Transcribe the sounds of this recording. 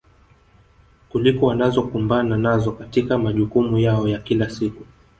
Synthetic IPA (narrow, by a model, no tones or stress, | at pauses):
kulikɔwanazɔkumbananazɔkatikamaʄukumujaɔjakilasiku